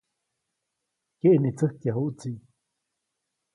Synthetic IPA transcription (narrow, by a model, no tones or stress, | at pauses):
keʔnit͡səhkjaɦuʔt͡si